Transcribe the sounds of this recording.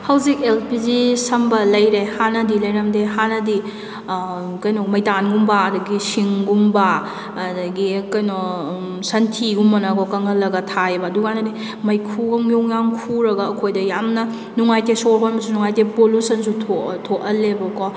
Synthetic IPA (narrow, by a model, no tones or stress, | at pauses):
hɐwzik̚elpizisɐmbɐlɐjɾehanɐdilɐjɾɐmdeɦanɐdi | kɐjnɔmɐjtanɡumbaɐdɐɡisiŋɡumba | dɐɡikɐjnɔ | sɐntʰiɡumːɐnɐkɔkɐŋɐlːɐɡɐtʰajbɐːdukanɐdi | mɐjkʰuɡoŋjoŋjamkʰuɾɐɡɐːkʰojdɐjamnɐ | nuŋajtesoɾɦʰonmɐsunuŋajtepolusɐnsutʰotʰoʔɐlebɐkɔ